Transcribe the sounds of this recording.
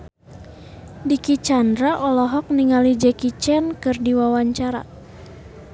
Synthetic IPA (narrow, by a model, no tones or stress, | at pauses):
dikit͡ʃandɾaʔɔlɔɦɔk̚niŋalid͡ʒɛkit͡ʃɛnkɨrdiwawaɲt͡ʃaɾa̰